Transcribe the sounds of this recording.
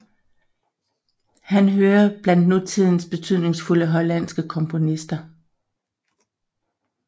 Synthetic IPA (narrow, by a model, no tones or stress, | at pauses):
hænɦøːɐb̥læn̰d̥nut͡sʰið̰ˠn̩sb̥e̝t͡sʰyð̰ˠne̝ŋsfuləɦɒ̽læn̰sɡ̥əkʰɒ̽mpʰo̝nisd̥ɐ